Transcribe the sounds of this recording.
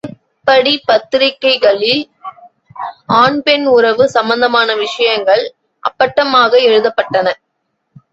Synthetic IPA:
ɪ | pːɐɽipɐt̪ːɪɾɪkːɐɪɣɐɭɪl | aːɳpɛnʊɾɐʋɯsɐmbɐnd̪ɐmaːnɐʋɪʂɐjɐŋɡɐɭ | ʔɐ̰pːɐʈːɐmaːɣɐɛɻɯðɐpːɐʈːɐnɐ

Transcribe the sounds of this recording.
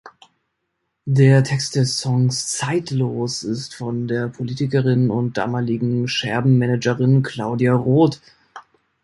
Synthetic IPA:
deːɐtʰɛkst̚d̥ɛsːɔŋst͡saɪtloːsɪstfɔndeːɐpʰoliːtɪkəʁɪnʊnt̚d̥a̰ːmaːlɪɡŋ̩ʃɛɐbm̩mɛnɛd͡ʒəʁɪnkʰl̥aʊdiaʁoːt

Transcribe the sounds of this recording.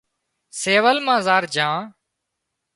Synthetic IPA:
seːʋəlmãːzaːɾd͡ʒãː

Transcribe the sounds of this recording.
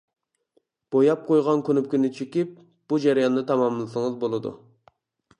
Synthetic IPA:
b̥ojɑp̚qʰojʁɑnkʲʰynyp̚kʲynɪt͡ʃʰekʲip̚ | b̥ud͡ʒæɾijɑnd̪ɨt̪ʰɑmɑmlˠɨsɨŋəɨzbolˠɨd̪ṵ

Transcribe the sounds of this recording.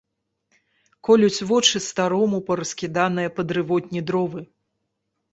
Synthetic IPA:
kɔlʲut͡sʲvɔt͡ʂɨst̪aɾɔmupɐɾɐskʲid̪anɨjɐpɐd̪ɾɨvɔt̪ʲnʲid̪ɾɔvɨ

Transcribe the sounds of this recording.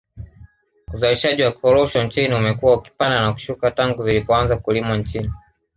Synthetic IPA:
uzaliʃaʄiwakɔɾɔʃɔnt͡ʃiniumɛkuwauki̥pandanaku̥ʃukataŋɡuzilipɔanzakulimant͡ʃini

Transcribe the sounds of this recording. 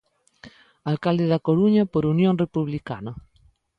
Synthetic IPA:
alkald̪eðakoɾuɲapoɾunjõŋrepuβlika̰na

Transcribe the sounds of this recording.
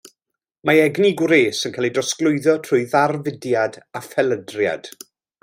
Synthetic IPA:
maɛɡniɡwɾeːsənkʰaːlˠidɔsklˠʊɨðɔtʰrʊɨðarvɪdjadafɛlədrja̰d̥

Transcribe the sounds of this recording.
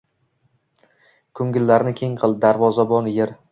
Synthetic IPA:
kʰɵŋɡʲɪlːaɾnɪkʲʰe̞ŋqʰɨlˠd̪aɾvɒzabɒnjeɾ

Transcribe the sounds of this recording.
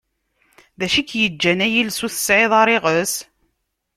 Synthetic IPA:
ðæʃikːjəd͡ʒːænæjilsuθə̥sʕɪðˤɑɾˤɪʁəs

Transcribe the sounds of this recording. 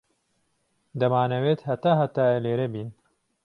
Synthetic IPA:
d̪ɐmaːnɐweːt̪hɐt̪aːɦɐt̪aːeleːɾɛbiːn

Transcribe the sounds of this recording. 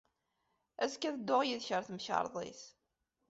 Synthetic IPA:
æzkæðəd̪ːʊʁjiðçəɾθmçə̰ɾˤðˤḭθ

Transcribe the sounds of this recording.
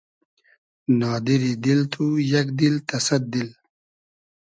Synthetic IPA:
nɑːd̪iɾid̪ilt̪ʰujɐkd̪ilt̪ɐsɐt̪̚d̪il

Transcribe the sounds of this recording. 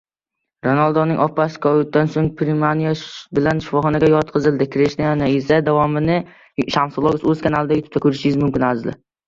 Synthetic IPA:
ɾonalˠd̪ɒnɪŋʔɒpːasɪ̥kʰɒjʊt̪̚d̪ansoŋpʰɾimanijabɪlanʃʊfɒχɒnaɡʲajɒt̪̚qʰɨzɪlˠd̪ɪkʲʰɾeʃnjanaɪsad̪avɒmɪnɪ | ʃamsolˠoɡɪsɵz̥kʰanalˠɪd̪ajʊt̪ʰɪ̥pt̪ʰakʰɵɾɪʃɪɡʲɪzmʊmkʲɪnazlɪ̰

